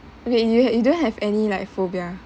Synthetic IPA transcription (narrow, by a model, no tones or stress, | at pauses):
bijuɛjudõnhɛvɛnilaɪkfobia